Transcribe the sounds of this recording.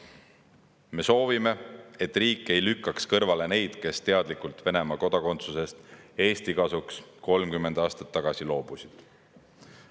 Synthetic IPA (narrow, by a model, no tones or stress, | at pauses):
me̞so̞ːvime̞e̞t̪ːˑriːkːˑe̞jlykːˑɑkskɤrvɑle̞ne̞jd̪̥ke̞st̪e̞ɑd̪likult̪ˑve̞ne̞mɑko̞d̪ɑko̞nt̪suse̞st̪e̞ːst̪ikɑsuksko̞lmkymːend̪ɑːst̪ɑ̥t̪ːɑɡ̥ɑsilo̞ːb̥usid̪̥